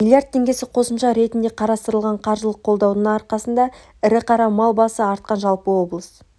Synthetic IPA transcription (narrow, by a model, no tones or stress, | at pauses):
milʲjaɾt̪̚ʰːe̞ŋɡʲe̞sɪqʰo̞səmʃɑɾe̞t̪ɪnd̪e̞qʰɑɾɑst̪əɾəlˠʁɑɴqʰɑɾʒəlˠəq̚ʰːo̞lˠd̪ɑwnəɴɑɾqɑsənd̪ɑ | ɪɾɪqʰɑɾɑmɑlˠbɑsəɑɾt̪̚qɑnʒɑlˠpəwo̞blˠəs